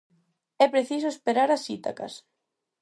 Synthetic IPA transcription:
ɛpɾeθisoespeɾaɾasit̪a̰ka̰s

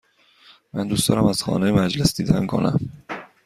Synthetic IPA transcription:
mænd̪uːst̪ɒ̰ːɾæmæz̥xɒ̰ːnejemæd͡ʒle̞sd̪iːd̪ænkʰo̞̰næ̰m

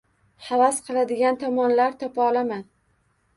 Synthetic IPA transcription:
havasqʰɨlˠad̪ɪɡʲant̪ʰɒmɒnlaɾt̪ʰɒpaɒlaman

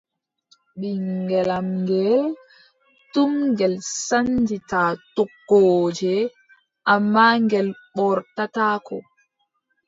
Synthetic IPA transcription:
ɓiŋɡɛlamŋɡɛl | tumɡɛlsand͡ʒitaːtɔkːoːd͡ʒɛ | ʔamːaŋɡɛlɓɔɾtataːkɔ

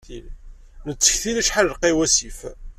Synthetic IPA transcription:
ili | nət͡sːə̥çθilæʃħaləlqiwæsif

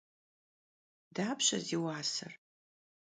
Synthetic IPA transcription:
daːpɕʼɐ̰ziwaːsɐ̰r

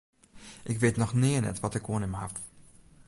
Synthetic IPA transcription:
ʔɪkʋɪːtnɔxnɪːənɛ̰tʋɔtɪkoənɪmhaf

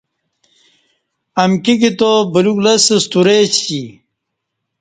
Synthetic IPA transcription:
ɐmkiɡit̪obɐluklɐsest̪uɾeːt͡ɕt͡ɕi

